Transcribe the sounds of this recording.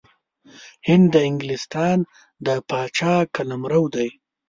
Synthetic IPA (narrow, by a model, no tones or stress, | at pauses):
hɪnd̪ːəɪŋɡlɪst̪ɑːn | d̪əpɑːt͡ʃɑːkalamɾawd̪aj